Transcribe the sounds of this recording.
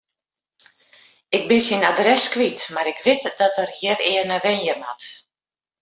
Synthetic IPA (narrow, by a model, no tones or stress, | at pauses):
ɪk̚bɪsinadrɛskʋitmaɾɪkʋɪtdɔtərjɪrɪːərnəʋɪnjəma̰t